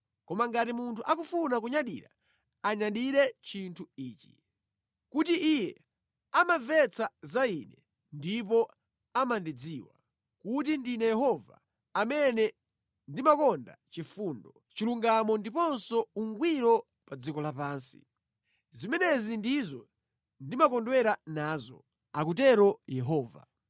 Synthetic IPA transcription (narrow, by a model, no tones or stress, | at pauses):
kɔmaŋɡatimuntʰuʔakufunak̬uɲaɗḭɾa̰ | aɲaɗiɾɛt͡ʃintʰuiːt͡ʃi̥ | kutiʔijɛ | amavɛt͡sʰazainɛ | ndipɔ | amandid͡ziwa̰ | kut̬indinɛjɛɦɔva̰ | amɛnɛ | ndimakɔnda̰t͡ʃifundɔ | t͡ʃiluŋɡamɔndipɔnsɔuŋɡwiɾɔ | pad͡zikɔlapaːnsi̥̰ | zimɛnɛzindizɔ | ndimakɔndwɛɾanaːzɔ̰ | ak̬ut̬ɛɾɔjɛɦɔːva̰